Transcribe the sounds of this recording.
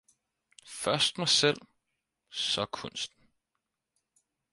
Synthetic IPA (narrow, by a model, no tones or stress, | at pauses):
fɶɐsd̥mɑsel̰ | sɒ̽kʰɔ̽n̰sd̥n̩